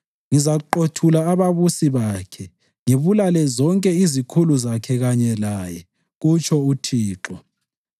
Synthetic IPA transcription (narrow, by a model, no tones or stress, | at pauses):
ŋizaǃotʰulaːβaβusiβakʰɛ | ŋeβulalɛzɔŋkʼɛizikʰuluzakʰɛɣaɲɛlajɛ | ɣut͡ʃʰʼɔutʰiːǁɔ̰